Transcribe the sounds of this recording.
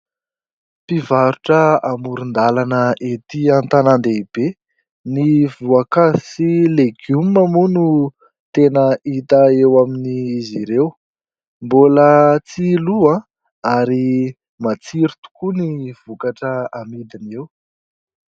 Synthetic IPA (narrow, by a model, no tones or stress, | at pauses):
pivaɾuʈ͡ʂəamuɾund̪alanəʔet̪iant̪anand̪eib̥e | nivuakazisileɡumːamunu | t̪enəʔit̪aewaminiːziɾew | mbolət͡siluã | aɾi | mat͡siɾit̪u̥kuniv̥ukaʈ͡ʂəamid̪inew